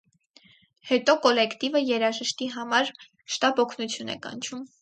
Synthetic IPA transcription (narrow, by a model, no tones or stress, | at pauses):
hɛt̪ɔkɔlɛkʰt̪ivəjɛɾɑʒəʃt̪iɦɑmɑɾ | ʃt̪ɑbɔkʰnut͡sʰjunɛ̰kɑ̰nt͡ʃʰum